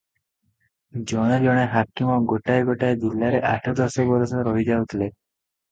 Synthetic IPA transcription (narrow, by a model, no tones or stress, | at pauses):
d͡ʒɔñed͡ʒɔɽ̃eɦakːimɔɡoʈajɡoʈajd͡ʒilːaɾeʔa̰ʈʰɔd̪ɔsɔbɔɾɔsɔɾɔɦid͡ʒaut̪le